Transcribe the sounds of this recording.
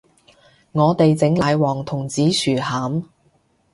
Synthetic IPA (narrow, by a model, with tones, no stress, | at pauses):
ŋɔː˨˧t̪e˨jt͡sɪ˨˧˥ŋlaː˨˧jwɔː˨˩ŋt̪ʰʊ˨˩ŋt͡siː˨˥syː˨˩haː˨˥m